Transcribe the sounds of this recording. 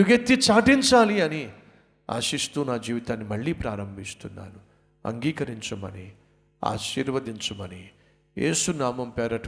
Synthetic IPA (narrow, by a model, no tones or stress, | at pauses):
uɡet̪ːit͡ʃaːʈiɲt͡ʃaːliɐni | a̰ːʃist̪uːnaːd͡ʒiːʋit̪aːnːimɐɭːiːpɾaːɾɐmbʱist̪unːa̰ːnu | ɐ̰ŋɡiːkɐɾiɲt͡ʃɐmɐ̰ni | a̰ːʃiːɾʋɐd̪iɲt͡ʃɐmɐni | jeːsunaːmɐmpɛːɾɐʈ